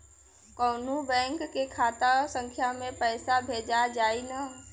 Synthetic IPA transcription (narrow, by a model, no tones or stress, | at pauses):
kɔːnubɛ̃ːŋkːekʰaːt̪asə̃ŋkʰjamẽpɛːsabʱeːd͡ʒad͡ʒaːinə